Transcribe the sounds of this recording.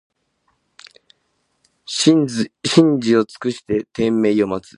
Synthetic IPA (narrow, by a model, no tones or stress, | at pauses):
ɕĩɲd͡ʑio̞t͡sɨ̥kɯ̟ɕi̥t̪e̞t̪ẽ̞mːe̞io̞mat͡sɨ̥